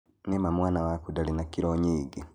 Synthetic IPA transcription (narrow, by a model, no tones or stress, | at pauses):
nemamwaːnawakudalinakiɾoɲiːɡi